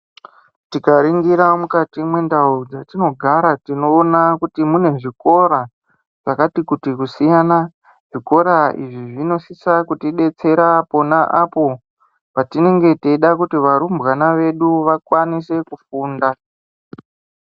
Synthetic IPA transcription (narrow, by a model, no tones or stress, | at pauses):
tikaɾiŋɡiɾamukatimwe̞ndaud͡zatino̞ɡʱaɾatino̞ːnakutimune̞ʐiko̞ɾa | ʐ̥akatikutikusijana | ʐ̥iko̞ɾaḭʐiʐino̞sisakutiɗe̞t͡se̞ɾapo̞naʔapo̞ | patine̞ŋɡe̞tiiɗakutiʋaɾumbɣanaʋe̞ɗuʋakwanise̞kufuːnda